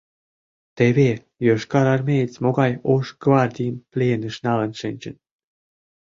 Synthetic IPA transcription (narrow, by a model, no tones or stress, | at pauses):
t̪eβʲe | jøʃkɑɾɑrmʲejt͡smoɣɑjoʃɡvɑrd̪ʲijəmplʲeenə̆ʃnɑlənʃɘnʲt͡ɕə̰̆n